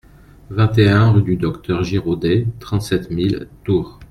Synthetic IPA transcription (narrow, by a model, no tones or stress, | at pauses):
vɛ̃t̪eɛ̃ʁyd̪yd̪ɔkt̪œʁʒiʁod̪et̪χɑ̃t̪sɛt̪milt̪uːʁ